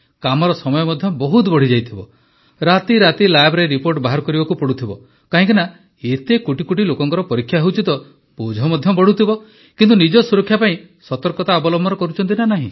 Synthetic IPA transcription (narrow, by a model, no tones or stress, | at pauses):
kamɔɾɔsɔmɔjɔmɔd̪ʱjɔbɔɦut̪bɔɽ̤id͡ʒajt̪ʰibɔ | ɾat̪iɾat̪ilajbʱɾeɾipoɾʈbaɦaɾkɔɾibɔkupɔɽut̪ʰibɔ | kaɦĩŋk̬ina | et̪ekuʈikuʈ̬ilokɔŋkɔɾɔpɔɾikʰjaɦewt͡ʃit̪ɔ | pud͡ʒʱɔmɔd̪ʱjɔbɔɽut̪ʰibɔ | kint̪unid͡ʒɔsuɾɔkʰːjapaĩ | sɔt̪ɔɾkɔt̪aɔbɔlɔmbʱɔɾɔkɔɾut͡ʃʰɔnt̪̬inanaɦḭ̃